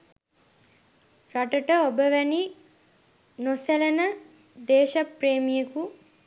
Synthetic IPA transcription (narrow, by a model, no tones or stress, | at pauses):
ɾɐʈəʈəobəʋæni | noselɐnə | d̪eːʃɐpɾeːmijeku